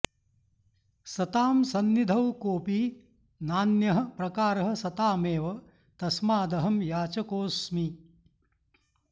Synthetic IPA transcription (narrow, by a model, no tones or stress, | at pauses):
sɐt̪aːmsɐnːid̪ʱɐwkoːpiː | naːnjɐɦɐ̆pɾɐkaːɾɐɦɐ̆sɐt̪aːmeːʋɐ | t̪ɐsmaːd̪ɐɦɐmjaːt͡ʃɐkoːsmi